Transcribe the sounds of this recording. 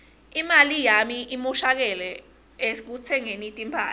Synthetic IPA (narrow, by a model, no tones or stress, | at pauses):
imalijamiʔimuʃak̬ɛlɛ | ek̬ut͡sʰɛŋenitʼimpʰaː